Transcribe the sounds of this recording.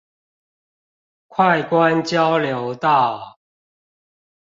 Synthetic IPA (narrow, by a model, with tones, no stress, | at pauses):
kʰwa˥˨ɪkwa˦nt͡ɕja˦ʊljo˨˦ʊt̪a˥˨